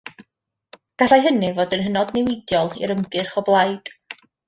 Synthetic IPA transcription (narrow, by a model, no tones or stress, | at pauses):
ɡ̥aɬajɦənɨvoːdənɦənɔdnɪwɪdjɔlˠḭɾəmɡɨrχɔblˠajd̥